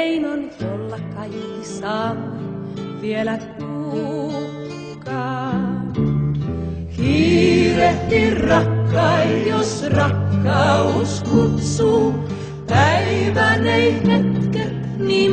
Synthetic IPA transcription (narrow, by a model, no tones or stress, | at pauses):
inonjolːɑkɑjkːisɑːmɑ | ʋielæpuː | kːɑː | kiːɾeht̪irrɑkːɑːjosrɑkːɑuskut̪su | pæiʋænehet̪ke | niː